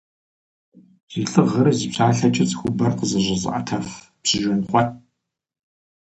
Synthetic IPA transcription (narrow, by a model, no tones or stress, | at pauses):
z̥iɬɨʁɐɾɨzipɕʰaːɬɐt͡ʃʼɪt͡sʼxʷʊbɐrqəzɨʑɪz̰ʔatʰɐf | psɨʒʊnχχʷɔt̚